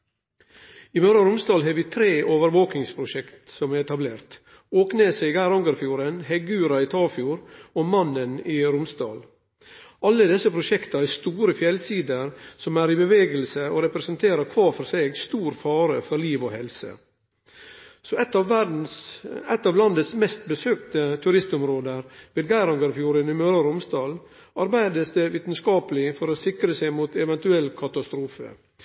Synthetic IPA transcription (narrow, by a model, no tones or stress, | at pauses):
ɪmœɾɑɾʊmsd̪ɑːlɦɑːʋɪːt̪ʰɾeːʔoːʋəɾʋoːknɪŋspʰɾʊʃɛkt̪sɔmæɾɛt̪ɑbleːɾt̪ | oːkneːseːɡæɾɔŋɡəɾfjuːɾənhɛɡʉːɾɑɪt̪ʰɑːfjuːɾoːmɑnəniɾʊmsd̪ɑ̰ːl | ɑlːəd̪ɛsəpʰɾʊʃɛkt̪ɑæst̪uːɾəfjɛlsiːd̪əɾsɔmæːɾibəʋeːɡəlsəoɾɛpɾɛsənt̪ʰeːɾəɾkʰʋɑːɾfɔɾseːɡst̪uːɾfɑːɾəfɔɾliːʋɔhɛlsə̰ | sɔɛt̪ɑæd̪n̩sæt̪ːɑːʋlɑnd̪ət̪smɛst̪̚bəsøːk̚t̪ət̪ʰʉɾɪst̪ʊmɾoːd̪əɾʋeːd̪̚ɡæɪɾɑŋɡɑɾfjuːɾənɪmøɾɑɾʊmsd̪ɑːl | ɑɾbæɪd̪əsd̪ɛʋiːt̪n̩skɑːpəlɪfɔɾɔsɪkɾəsæɪmuːt̪ɛʋɛnt̪ʉɛlːkʰɑt̪ɑst̪ɾuːfə̰